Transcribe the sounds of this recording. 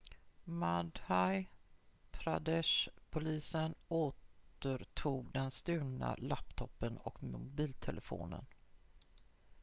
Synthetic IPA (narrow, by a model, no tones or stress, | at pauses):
mad̪haj | pʰɾad̪ɛʂpʰʊliːsənoːt̪əɾʈʰuːɡd̪ɛnst̪ʉ̟ːna̰lapt̪ʰɔpːənɔkmʊbiːlt̪ʰɛlʔəfo̰ːnə̰n